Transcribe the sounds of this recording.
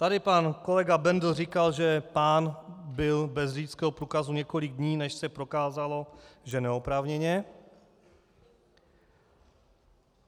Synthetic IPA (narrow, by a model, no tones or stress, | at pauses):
t̪adɪpanko̞lɛɡabɛndl̩riːkalʒɛpaːnbɪlbɛzrit͡skɛːɦopɾuːkazuɲɛko̞lɪɡ̚dɲiːnɛʃsɛpɾo̞kaːzalo̞ʒɛnɛopɾaːvɲɛɲɛ